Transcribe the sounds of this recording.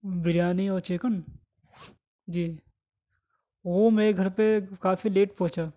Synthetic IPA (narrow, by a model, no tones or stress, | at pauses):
bɪɾjaːniɔːt͡ʃeːkəɳ | d͡ʒiː | ʋoːmẽɡʱɐɾpekaːfileːʈpɔ̃ːt͡ʃaː